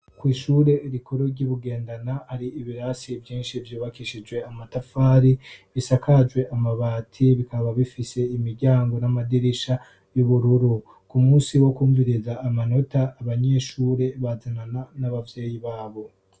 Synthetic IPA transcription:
kwiːʃuːɾe̞iɾikʰoɾo̞ɾɟuβuɡe̞ːndanahaɾiiβiɾasivjiːnʃivjuːβakiʃid͡ʒɡwe̞amatafaːɾiβisakʰad͡ʒɡwe̞ʔamaβaːtʰiβikʰaβaβifise̞imiɾɟaːŋɡo̞namadiɾiʃa | juβuɾuɾu | kumuːsiwo̞kuːɱviɾizaːmano̞taːβaɲe̞ʃuːɾe̞βazanananaβavje̞ːjiβaːβo̞

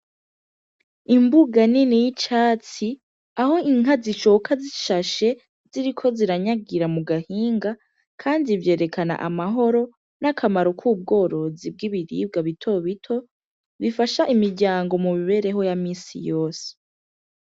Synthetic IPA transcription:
imbuɡaninijit͡ʃaːt͡si | aho̞iŋaziʃokʰaziʃaʃe̞ | ziɾikʰo̞ziɾaɲaɡiɾamuɡahiːŋɡa | kʰaːndivje̞ːɾe̞kʰana̰ʔa̰maɦo̞ɾo̞ | nakʰamaɾokʰuːb̚ɡo̞ːɾo̞zib̚ɡiβiɾḭːb̚ɡaβitʰo̞βitʰo̞ | βifaʃaʔimiɾɟaːŋɡo̞mumiβe̞ɾe̞ɦo̞jamiːsḭjo̞ːse̥

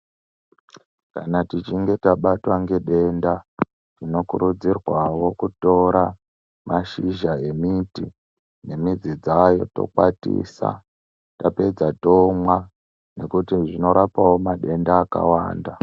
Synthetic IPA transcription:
kanatit͡ʃiŋɡe̞taɓatwaŋɡe̞ɗe̞nda | tino̞kuɾud͡zirwawo̞kuto̞ɾa | maʃiʒae̞miti | ne̞mid͡zid͡zajo̞to̰kwatḭːsa̰ | tape̞d͡zatomwa | ne̞kutiʐino̞ɾapawomaɗe̞ndaːka̰wa̰ːnda

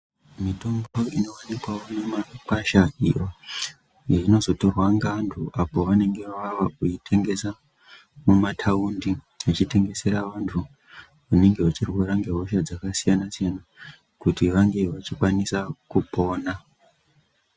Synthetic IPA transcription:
mito̞mbo̞ino̞wanikwawo̞nemakaʃaḭjo | jaino̞zo̞to̞rwaŋɡantʰuʔapo̞ʋane̞ŋɡe̞ʋaʋaʋauitʰe̞ŋɡe̞sa | mumatʰaundi | at͡ʃite̞ŋɡe̞se̞ɾaʋantʰu | une̞ŋɡe̞at͡ʃirweɾaŋɡe̞ɦoʃad͡zakasijanasijana | kutiʋaŋɡe̞ʋat͡ʃikwanisakupo̞ːna

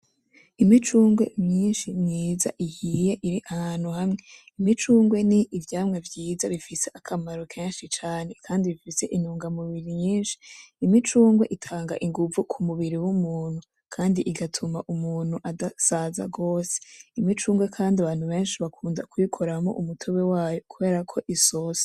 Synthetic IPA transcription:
imit͡ʃuːŋɡwemɲiːnʃimɲiːza̰ʔihije̞ʔiɾiʔahaːn̥huhamŋe̞ | imit͡ʃuːŋɡwe̞niʔivjaːmŋe̞vjiːzaβifise̞ʔakʰamaɾo̞kʰeːnʃit͡ʃaːne̞kʰaːndiβifise̞̰ʔinuːŋɡamuβiɾiɲiːnʃi̥ːmit͡ʃuːŋɡwe̞ʔitʰaːŋɡa̰ʔiŋɡuvukʰumuβiɾiwumuːn̥hu | kʰaːndiʔiɡatʰumaʔumuːn̥huʔadasaza̰ɡo̞ːse̥imit͡ʃuːŋɡwe̞kʰaːndiaβaːn̥huβe̞ːnʃiβakʰuːndakuikʰoɾamo̰ʔumutʰoβewaːjokʰuβe̞ːɾakʰo̞ʔisose̥

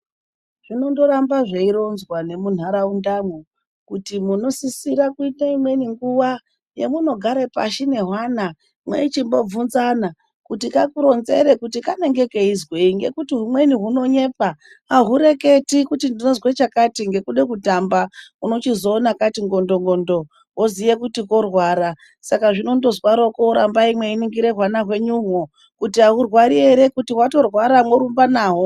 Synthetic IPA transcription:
ʐ̥ino̞ndo̞ɾambaʐeiɾo̞nzwane̞mun̤aɾaundamwu | kutimuno̞sisiɾakuitaimwe̞niŋɡuʋa | je̞̰muno̞ɡʱaɾepa̰ʃine̞ɦwana | mwḛit͡ʃimbo̞vunzana | kutikakuɾo̞nze̞̰ɾekutikane̞ŋɡe̞ke̞izweiŋɡe̞̰kutiɦumwe̞niɦuno̞ɲe̞pa | ɦaɦuɾe̞ke̞tikutindinozwet͡ʃakatiŋɡe̞kuɗe̞kutambauno̞t͡ʃizoːnakatiŋɡo̞ndoŋɡo̞ndo̞ | ɦoziʋekutiko̞rwaːɾa | sakaʐino̞ndo̞zwaɾokouɾambaimwe̞iniŋɡiɾe̞ɦwanaɦwe̞ɲuwo | kutiɦaɦurwaɾieɾe̞kutiwato̞rwaɾamwoɾumbanaːɦo

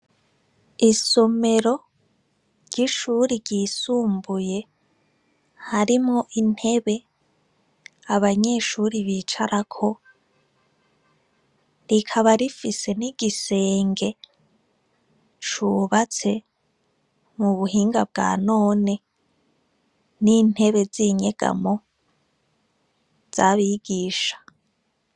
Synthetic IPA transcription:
iso̞me̞ɾo̞ | ɾɟ̥iʃuːɾiɾɟiːsuːmbuje̞ | haɾimŋo̞ʔin̥he̞βe̞ | aβaɲe̞ʃuːɾiβit͡ʃaɾʔakʰo̞ | ɾikʰaβaɾifise̞niɡ̥ise̞ːŋɡe̞ | t͡ʃuβat͡se̞ | muβuɦiːŋɡabɡa̰ːno̞ːne̞ | nin̥he̞βe̞ziɲe̞ɡ̥a̰mo̞ | z̥aβiɡ̥iːʃḁ

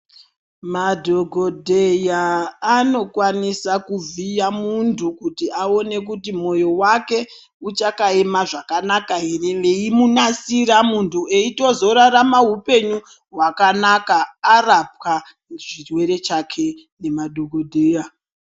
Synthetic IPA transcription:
madʱo̞ɡʱo̞dʱejaːno̞kwanisakuvijamuntʰukutiao̞ne̞k̬utimo̞jo̞wake̞ | ut͡ʃakae̞maʐakanakaɦe̞re̞le̞imunasiɾamuntʰue̞ito̞zo̞ɾaɾamaɦupe̞ɲu | ɦwakanakaːrap̚wa | ʐirwe̞ɾe̞t͡ʃakʰe̞ | ne̞madʱoɡʱodʱeːja

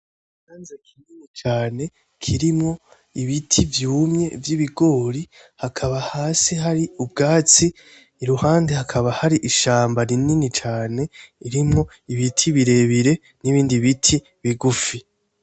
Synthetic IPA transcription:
haːnzekʰininit͡ʃaːne̞ | kʰiɾimŋo̞ | iβitʰivjuːmɲe̞vjiβiɡo̞ːɾi | hakʰaβahaːsihaɾiub̚ɡaːt͡siː | ɾuhaːndehakʰaβahaɾiʔiʃaːmbaɾininit͡ʃaːne̞iɾimŋo̞ | iβitʰiβiɾe̞βiɾe̞ | niβiːndiβitʰi | βiɡufi

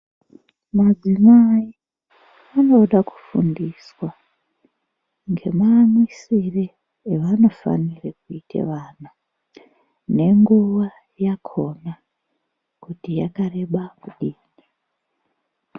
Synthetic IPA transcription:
mad͡zimai | ano̞ɗaku̥fundiswa | ŋɡe̞maːmisireː | ʋano̞fa̰nirekuitʰḛʋanu | ne̞ŋɡuʋa | jakʰo̞na | kutijakare̞ɓakuɗiːna

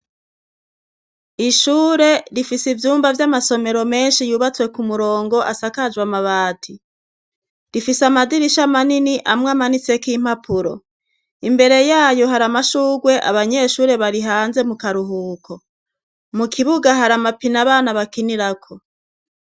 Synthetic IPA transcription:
iʃuːɾe̞ɾifisivjuːmbavjamaso̞me̞ɾo̞me̞ːnʃijuːβat͡swe̞kumuɾo̞ːŋɡo̞ʔa̰sakad͡ʒɡwamaβaːtʰi | ɾifisamadiɾiʃamaniniʔamŋamanit͡se̞kiːm̥hapuɾo̞̰ | imbe̞ɾe̞jaːjo̞ɦaɾamaʃuːɡwe̞ʔa̰βaɲe̞ʃuːɾe̞βaɾiɦaːnze̞mukaɾuɦuːkʰo̞ | mukʰiβuɡaɦaɾamapinaβaːnaβakiniɾakʰo̞

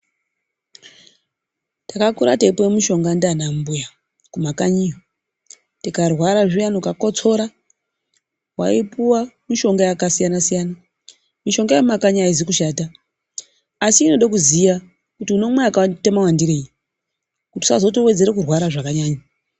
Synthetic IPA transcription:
takakuɾateipojemiʃo̞ŋɡandanambuja | kumakaɲijo | tikarwaɾaʐijanukako̞t͡so̞ɾa | wa̰ipuwamiʃo̞ŋɡajakasijanasijana | miʃo̞ŋɡajeumakaɲaizikuʃaːta | siːno̞ɗakuzija | kutiuno̞mweakatemawandiɾeːji | kuti̥sazotowe̞d͡ze̞ɾekurwaɾaʐakaɲaːɲa

